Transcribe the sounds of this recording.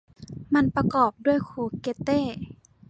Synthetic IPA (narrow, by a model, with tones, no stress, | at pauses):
ma˧˥˨npa˧kɔː˨˩p̚du˥˩əjkʰuː˧˩ke˧˥t̪eː˥˩